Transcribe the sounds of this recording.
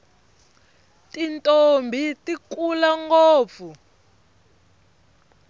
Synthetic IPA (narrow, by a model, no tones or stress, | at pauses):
tintʼombʱitikulaŋɡoːp̪fu